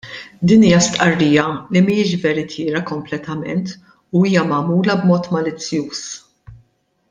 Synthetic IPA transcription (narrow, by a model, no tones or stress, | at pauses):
d̪iːniːjɐst̪ʔɐrːiːjɐlimɪɪʃvɛɾɪt̪ʰɪːɾɐkɔmplɛt̪ɐmɛnt̪ | uiːjɐmɐːmuːlɐbmɔːt̪mɐlɪt͡sːjuːs